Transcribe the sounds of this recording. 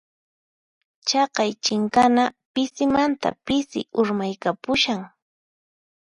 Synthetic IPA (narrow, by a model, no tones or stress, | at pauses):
t͡ʃɑqɑjt͡ʃɪŋkanapɪsɪmant̪a̰pɪsɪ̰ʊɾmajkapʊʃaŋ